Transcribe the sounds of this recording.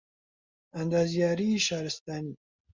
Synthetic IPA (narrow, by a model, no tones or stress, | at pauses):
ɐnd̪aːzjaːɾiʃɑːɾɪst̪aːni